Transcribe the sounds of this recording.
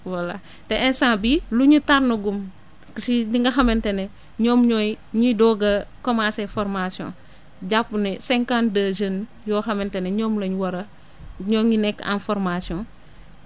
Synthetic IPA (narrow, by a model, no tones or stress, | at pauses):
wɐla̰ | tɛʔɛnsãːbiluɲutaɾnɐɡum | sidiŋɡɐxɐmɛntɛnɛ | ɲɔːmɲɔːj | ɲidɔɡɐkɔmãːsɛfɔɾmasiɔ̰̃ː | ɟapːunɛsɛŋkandəʒən | jɔːxɐmɛntɛnɛɲɔːmlɐɲwɐɾɐ | ɲɔɲinɛkːa̰nfɔɾmasjɔ̃n